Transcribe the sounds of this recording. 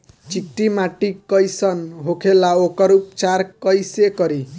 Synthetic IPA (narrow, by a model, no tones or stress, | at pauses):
t͡ʃik̚ʈimaʈikʌjsʌnɦokʰelaokʌɾup̚t͡ʃaɾkʌjsekʌɾi